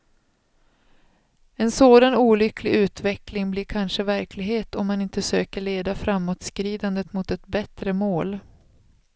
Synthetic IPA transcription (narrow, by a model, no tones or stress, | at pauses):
ɛnsoːd̪anuːlʏkʰlɪʉ̟ːt̪vɛklɪŋbliːɾkʰanʂəvæɾkʰlɪɡɦeːt̪ɔmːanɪnt̪əsøːkəɭeːd̪afɾamːot̪skɾiːd̪and̪ət̪mʊt̪ɛt̪bɛt̪ɾəmoːl